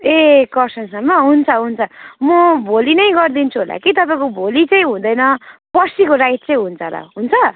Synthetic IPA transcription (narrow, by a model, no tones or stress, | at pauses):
ekʌrsʌnsʌmːʌɦunt͡sʰʌɦunt͡sʰʌmʌbʱolinʌjɡʌrd̪int͡sʰuɦola̰kit̪̬ʌpaĩkobʱolit͡sʌ̃j̃ɦũd̪ʌjnʌpʌsikoɾajt̪̚t͡sʌ̃j̃ɦunt͡sʰʌɾʌ̰ɦunt͡sʰʌ